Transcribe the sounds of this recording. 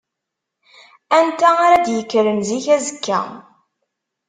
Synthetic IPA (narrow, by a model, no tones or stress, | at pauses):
ænt̪æaɾæd̪jəkːɾənziçæzəkːæ̰